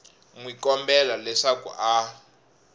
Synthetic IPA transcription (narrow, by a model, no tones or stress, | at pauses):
ŋwikɔmbɛlalɛʂakṵʔa